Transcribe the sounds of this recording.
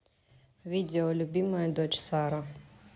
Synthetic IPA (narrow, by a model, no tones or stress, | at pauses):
vʲid̪ʲeɔlʲubʲimajd̪ɔt͡ʃsaɾa